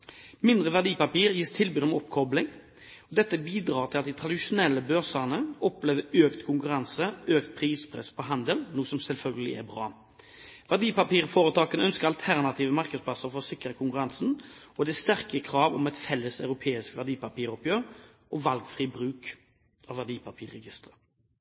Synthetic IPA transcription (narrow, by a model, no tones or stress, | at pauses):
mɪnd̪ʁəʋæʁd̪iːpɑpiːʁjiːst̪ʰɪlbʉːd̪ɔmɔpːkʰɔblɪŋ | ɔd̪ɛt̪ːəbiːd̪ʁɑːʁt̪ʰɪlɑt̪̚d̪ɪt̪ʰʁɑd̪ɪʂʊnɛlːəbœʁsəʁnəɔpleːʋəøːkt̪kʰʊŋkʉʁɑnsəøːkt̪̚pʰʁiːspʰʁɛ̰spʰɔɦɑnd̪əlnuːsɔmsɛlfœlɡəlɪ̰æ̰ʁbʁɑ̰ː | ʋæd̪iːpɑpiːʁfoːʁət̪ɑːkənəœnskəɾɑlt̪ʰæʁnɑt̪ʰiːʋəmɑʁkəd̪spʰlɑsəʁɾfɔʁɔsɪkɾəkʰʊŋkʉɾɑnsn̩ | ɔd̪ɛːst̪æʁkəkʰɾɑːʋɔmɛɪt̪fɛlːəsɑʉɾʊpʰeːɪskʋæʁd̪iːpɑpiːɾɔpjøːʁ | ʔɔʋɑlɡfʁiːbɾʁʉːk | ɑʋæd̪iːpʰɑpʰiːʁɛɡɪst̪ʁə